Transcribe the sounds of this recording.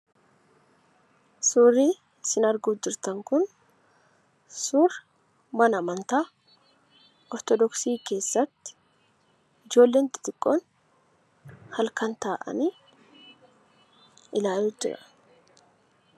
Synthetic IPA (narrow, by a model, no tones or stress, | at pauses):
suːrːiː | sɪnɐɾɡuːd͡ʒɪɾt̪ɐŋkʊn | suːɾ | mɐnɐmɐnt̪aː | ɔɾt̪ɔd̪ɔksiːke̞ːsːɐt̪ːɪ̥ | ɪd͡ʒo̞ːlːe̞ːnt̪ɪ̥t̪ʼɪkʼːoːn | hɐlkɐnt̪aːʔɐ̰niː | ɪlaːjud͡ʒɪ̰ɾɐ̰̥